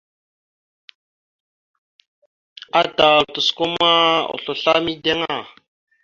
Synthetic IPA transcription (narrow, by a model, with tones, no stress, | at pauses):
a˦ta˨tu˨sko˦ma˦o̰˨ɬu˨ɬa˦mi˦de˦ŋa˦˨